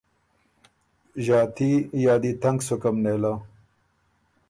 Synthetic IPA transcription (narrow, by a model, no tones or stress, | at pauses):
ʑaːt̪ʰijaːd̪it̪ɐŋɡsukɐmneːla